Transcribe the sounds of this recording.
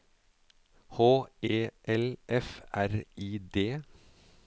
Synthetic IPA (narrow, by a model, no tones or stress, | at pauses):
hoːeːʔɛlʔɛfæɾiːd̪eː